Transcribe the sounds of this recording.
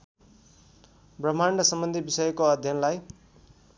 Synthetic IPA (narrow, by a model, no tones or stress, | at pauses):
brʌm̤aɳɾʌsʌmbʌnd̪ʱibisʌjʌkoʌd̪ʱjʌnlaj